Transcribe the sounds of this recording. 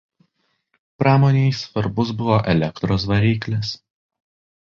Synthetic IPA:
pɾɑːmoːnʲejsʋɐɾbʊsbʊʋoːʔɛlʲɛkt̪ɾoːsʋɐɾʲiːklʲɛs

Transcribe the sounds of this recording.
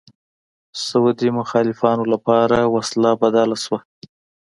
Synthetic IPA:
sawd̪imʊxɑlɪfɑnolapɑɾawaslabad̪ɑlaswa

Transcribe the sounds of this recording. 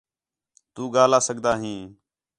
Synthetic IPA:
t̪uːɠaːlaːsəkd̪aːɦĩː

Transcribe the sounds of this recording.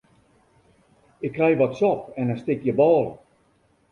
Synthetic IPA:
ɪkːrɛjʋɔtsɔpɛnəstɪkjəbɔːlˠə

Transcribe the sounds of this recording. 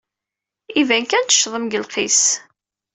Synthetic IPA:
ivæŋkænt̪ə̥ʃðˤəmɡəlqʰis

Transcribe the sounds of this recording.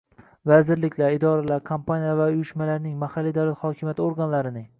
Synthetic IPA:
vazɪɾlɪkʲʰlaɾɪd̪ɒɾalaɾkʰampʰanijavaʊjɪʃmalaɾnɪŋmahalːid̪awlat̪hɒkʲʰɪmjat̪oɾɡanlaɾɪnɪŋ

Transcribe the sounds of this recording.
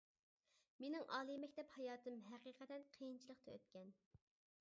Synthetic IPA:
menɪŋʔɑːlˠɨmɛkʲt̪ɛphɑjɑːt̪ʰɨmɦæqiːqʰɛt̪ɛnqʰijint͡ʃʰilˠəqt̪ʰɑø̰t̪kʲɛn

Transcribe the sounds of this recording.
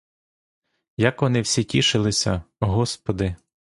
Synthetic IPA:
jɐkʋɔnɪwsʲitʲiʃɪlˠɪsʲɐɦɔspɔd̪ɪ

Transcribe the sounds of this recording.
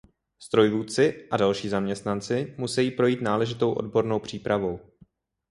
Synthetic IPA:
st̪ɾo̞jvuːt͡sɪʔadalʃiːzamɲɛst̪nant͡sɪmusɛjiːpɾo̞jiːt̪naːlɛʒɪt̪o̞wʔo̞̰dbo̞ɾno̞wpr̝̥iːpɾavo̞w

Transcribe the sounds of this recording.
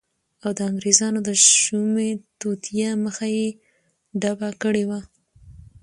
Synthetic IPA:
awd̪əaŋɡɾezɑnod̪əʒumet̪ut̪ijaməxaje | ɖabakəɽewa

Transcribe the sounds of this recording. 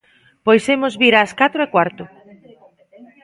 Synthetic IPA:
pojsemʊzβiɾaskat̪ɾoekwaɾt̪ʊ

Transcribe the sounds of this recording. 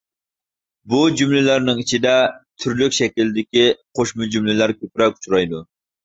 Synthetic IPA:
bud͡ʒumlɪlæɾnɪŋit͡ʃʰid̪ɛt̪ʰyɾlykʲʃɛkʲild̪ɪkʲiqʰoʃmʊd͡ʒumlɪlæɾkʲʰøpɾɛkʲu̥t͡ʃʰuɾɑjd̪u

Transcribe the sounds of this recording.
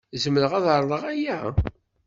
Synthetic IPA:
zəmːləʁæðɾˤðˤəʁæjæ

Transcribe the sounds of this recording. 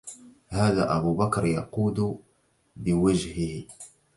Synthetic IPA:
haːða̰ːʔabubakɾjɑquːd̪ | bɪwad͡ʒhɪh

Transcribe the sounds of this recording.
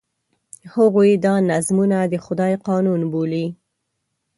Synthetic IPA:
haɣojd̪ɑnazmunad̪əxʊd̪ɑjqɑnunboli

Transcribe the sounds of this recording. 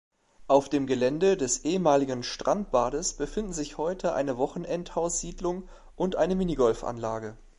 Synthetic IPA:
ʔaʊfd̥eːmɡəlɛndədɛsʔeːəmaːlɪɡən̩ʃtʁ̥ant̚b̥aːdəsb̥əfɪndn̩zɪçhɔʏtʰəʔa̰ɪnəvɔχn̩ʔɛnthaʊsz̥iːdlʊŋ | ʔʊntʔaɪnəmɪniɡɔlfʔa̰nlaːɡə

